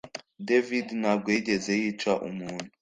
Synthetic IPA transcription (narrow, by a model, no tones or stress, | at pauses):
devidnab̚ɡweɟezejit͡ʃaʔṵmuːn̤u